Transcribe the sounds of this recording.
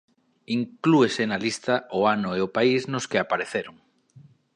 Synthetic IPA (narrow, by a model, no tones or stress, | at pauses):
iŋkluesenalist̪ɐʔoanʊeopaiznʊskɪapaɾeθeɾʊŋ